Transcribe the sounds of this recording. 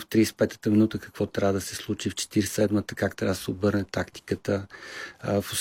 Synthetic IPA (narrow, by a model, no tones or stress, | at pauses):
ft̪ɾispɛt̪ə̥t̪əminut̪əkə̥kvɔt̪ɾʲavəd̪əsɛslˠut͡ʃift͡ʃɛ̥t̪iɾssɛd̪mət̪əkakt̪ɾʲʔavəd̪əsɛʊbɤɾnɛt̪akt̪i̥kət̪ə | fʊs